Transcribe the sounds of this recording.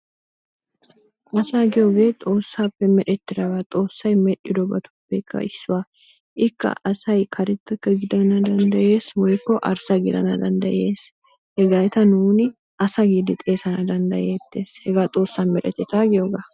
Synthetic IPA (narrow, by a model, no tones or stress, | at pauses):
ʔɐsaːɡɪjoɡeːt̪ʼoːsːaːpːɛmɛᶑɛt̪ːɪɾɐbat̪ʼo̞ːsːɐjmɛᶑɪd̪ɔbɐt̪ʊ̥bːɛkːɐ̰ʔɪsːʊwa | ʔɪkːɐ̰ʔɐsɐjkʰɐɾɪt̪ːɐkːɐɡɪd̪ɐnɐd̪ɐnd̪ɐʔeːswɐjkːɔʔɐɾsɐɡɪd̪ɐ̰nɐd̪ɐnd̪ɐʔeːs | hɛɡɐjt̪ɐnuːnɪ | ʔɐsɐɡid̪ɪt̪ʼe̞ːsɐnɐd̪ɐnd̪ɐjeːt̪ːeːshɛɡaːt̪ʼo̞ːsːanmɛᶑɛ̰t̪ːɛt̪aːɡɪoɡa